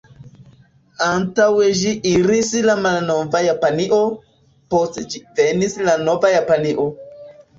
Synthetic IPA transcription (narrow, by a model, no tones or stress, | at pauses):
antaweʒiʔiɾislamalnovajapaniʔo̞ | postd͡ʒivenislano̞vajapaniʔo̞